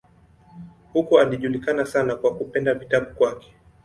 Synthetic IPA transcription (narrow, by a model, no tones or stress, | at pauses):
hukualiʄulikanasanakwakupɛndavitaɓukwakɛ̥